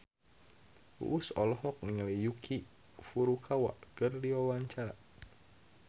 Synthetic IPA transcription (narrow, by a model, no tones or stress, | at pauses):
ṵʔːsɔlɔɦɔk̚niŋalijukʰi | fuɾukʰawa̰ʔkɨrdiwawaɲt͡ʃaɾa̰